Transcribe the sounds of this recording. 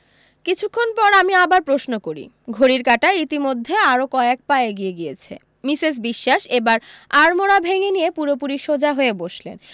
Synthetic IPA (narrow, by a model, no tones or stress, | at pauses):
kit͡ɕʰukʰːonpɔɾamiabaɾpɾosnokoɾḭ | ɡʱoɾiɾkaʈait̪imod̪ʱːeaɾokɔek̚paeɡieɡijet͡ɕʰḛ | mises̬biʃːaʃebaɾaɾmoɽabʱeŋenijepuɾopuɾiʃod͡ʑaɦoeboʃlḛn